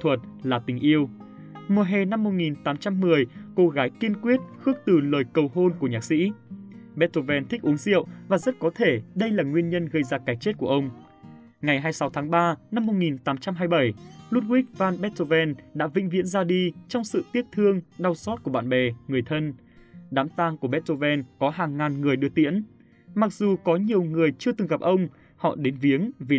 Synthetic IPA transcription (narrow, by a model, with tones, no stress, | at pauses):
t̪ʰwə˨˩t̚laː˨˩t̪ï˨˩ŋ̟ʔi˧əw | mu˨˩ɦɛ˨˩na˧mːo˧t̚ŋi˨˩nt̪aː˨˦mt͡ɕa˧mːɨ˨˩əjko˧ɣaː˨˦jki˧nkwi˦˥ət̚xɨ˦˥ək̚t̪ɨ˨˩ləː˨˩jkə˨˩wɦo˧nku˧˩əɲaː˨˩k̚sḭ˧˥ɓɛ˦˥t̚t̪o˧vɛ˧nt̪ʰï˦˥k̟̚ʔu˨˦əŋzḭ˧˨əwvaː˨˩zə˦˥t̚kɔ˨˦t̪ʰe˧˩ɗə˧jlaː˨˩ŋwi˧ənɲə˧nɣə˧jzaː˧kaː˨˩jt͡ɕe˦˥t̚ku˧˩əʔə˧wŋ͡m | ŋa˨˩jɦaː˧jsa˨˦wt̪ʰaː˨˦ŋɓaː˧na˧mːʊ˧t̚ŋi˨˩nt̪aː˨˦mt͡ɕa˧mɦaː˧jɓə˧˩jlu˦˥t̚wi˦˥k̚vaː˧nɓɛ˦˥t̚t̪o˧vɛ˧nɗa̰ː˧˥vḭ˧˥ŋ̟vḭ˧˥ənzaː˧ɗi˧t͡ɕɔ˧wŋ͡msɨ̰˧˨t̪i˦˥ək̚t̪ʰɨ˧əŋɗa˧wsɔ˦˥t̚ku˧˩əɓa̰ː˧˨nɓɛ˨˩ŋɨ˨˩əjt̪ʰə˧n | ɗaː˨˦mt̪aː˧ŋku˧˩əɓɛ˦˥t̚t̪o˧vɛ˧nkɔ˨˦ɦaː˨˩ŋːaː˨˩nŋɨ˨˩əjɗɨ˨˩ət̪ḭ˧˥ən | ma˨˩k̚zu˨˩kɔ˨˦ɲi˨˩əwŋɨ˨˩əjt͡ɕɨ˧ət̪ɨ˨˩ŋɣa˨˩p̚ʔə˧wŋ͡m | hɔ̰˧˨ɗe˨˦nvi˨˦əŋvi˨˩